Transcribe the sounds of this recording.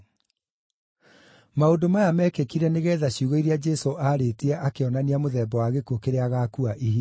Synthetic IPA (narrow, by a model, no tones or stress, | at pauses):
maodomajamɛːkekiɾɛneɣɛːðaɕjuɣɔiɾiad͡ʒɛsoʔaɾetiɛʔakeɔnaniamoðɛːbɔwaɣekuokeɾeaɣaːkuaʔiɦi